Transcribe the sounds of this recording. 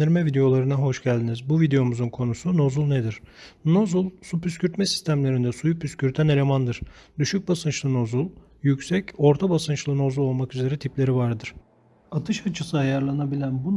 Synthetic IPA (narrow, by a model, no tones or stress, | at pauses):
d̪iɾmɛvid̪e̞jo̞lˠaɾɯnaɦo̞ʃɟælʲd̪inizbuvid̪e̞jo̞muzunkʰo̞nusuno̞zulˠned̪iɾ̥no̞zulˠsupyscyɾt̪mɛsi̥st̪ʰæmlʲe̞ɾind̪ɛsujupʰyscyɾt̪ʰæne̞lʲe̞mand̪ɯɾ̥d̪yʃyc̚basɯnt͡ʃlˠɯno̞zulˠ | jycsɛco̞ɾt̪ʰabasɯnt͡ʃlˠɯno̞zulˠo̞lˠmakyze̞ɾɛt̪ʰiplʲe̞ɾivaɾd̪ɯɾ̥ | at̪ʰɯʃat͡ʃʰɯsɯajaɾlˠanabilʲænbu